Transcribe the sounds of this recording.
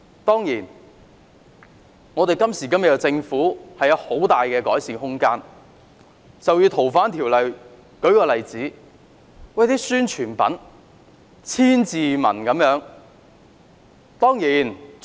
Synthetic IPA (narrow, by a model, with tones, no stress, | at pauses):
t̪ɔː˥ŋjiː˨˩n | ŋɔː˨˧t̪e˨jkɐ˥msiː˨˩kɐ˥mɐ˨˩jɐ˧t͡sɪ˧ŋfuː˨˥hɐ˨jɐ˨˧who˨˥wt̪aː˨jkɛː˧kɔː˨˥jsiː˨˧ŋhʊ˥ŋkaː˥n | t͡sɐ˨wjyː˧t̪ʰo˨˩wfaː˨˥nt̪ʰiː˨˩wlɐ˨j | kɵ˨˥ɥkɔː˧lɐ˨jt͡siː˨˥ | wɐ˨jt̪iː˥syː˥nt͡ʃʰyː˨˩npɐ̰˨˥n | t͡sʰiː˥nt͡siː˨mɐ̰˨˩nkɐ˨˥mjœː˨˥ŋ | t̪ɔː˥ŋjiː˨˩n